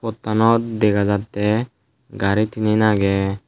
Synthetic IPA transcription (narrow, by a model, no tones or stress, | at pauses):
pɔt̪ːanɔt̪̚d̪ɛɡazat̪ːɛ | ɡaɾit̪ininaɡɛ